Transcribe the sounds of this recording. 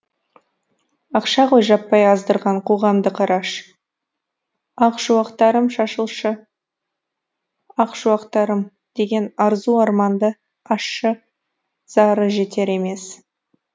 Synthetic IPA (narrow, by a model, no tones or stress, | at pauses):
ɑqʃɑʁojʒɑpːɑjɑzd̪əɾʁɑɴqʰo̞ʁɑmd̪əqʰɑɾɑʃ | ɑqʒ̥uɑqt̪ɑɾəmʃɑʃəlˠʃə | ɑqʒuwɑqt̪ɑɾəm | d̪̥e̞ɡʲe̞nɑɾzuɑɾmɑnd̪ə | ɑʃːə | z̥ɑɾəʒe̞t̪e̞ɾe̞me̞s